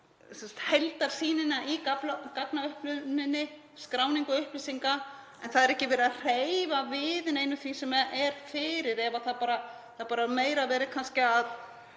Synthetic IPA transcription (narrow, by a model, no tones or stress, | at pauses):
sɛnsḁt̪hejlt̪aɾ̥siːnɪnaʔikaplakaknaʏhplʏnɪnːɪ | skɾaːwniŋkɔʏhplisiŋka | ɛnθaðɛɾɛhcɪvɛːɾɪar̥ejvavɪðɪnejnʏθvisɛmɛɛɾ̥fɪːɾɪɾɛvaθaðpaːɾa | θaðpaːɾameːjɾavɛːɾɪkʰanscɪað